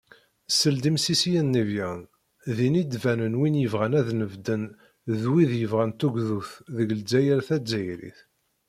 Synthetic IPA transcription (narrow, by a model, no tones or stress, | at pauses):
səld̪imsisijənːivjæn | ðinid̪vænənwinjəvʁænæðnəvd̪ən | ðwiðjəvʁænt̪uɡðuθðəɡld͡zːæjəɾθæd͡zːæjɾḭθ